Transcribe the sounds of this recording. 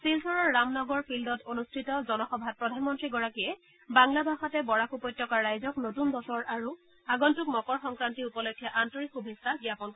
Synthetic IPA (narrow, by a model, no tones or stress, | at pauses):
silsʰɔɹɔɹːamnɔɡɔɹpʰildɔtonustʰitɔzɔnɔxɔbʱat̚pɹɔdʱanmɔntɹiɡɔɹakiɛ | baŋlabʱaxatɛbɔɹakupɔjtːɔkaɹːajzɔknotunbɔsɔɹaɹu | aɡɔntuk̚mɔkɔɹxɔŋkɹantiupɔlɔkʰːjaʔantɔɹikxubʱesaɡjapɔnk